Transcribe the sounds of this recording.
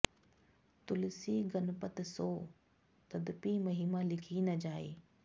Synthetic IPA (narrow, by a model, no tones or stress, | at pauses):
t̪ʊlɪsiɡɐnpət̪soː | t̪ɐd̪pimɐɦiːmalɪkʰinɐd͡ʑaːḛː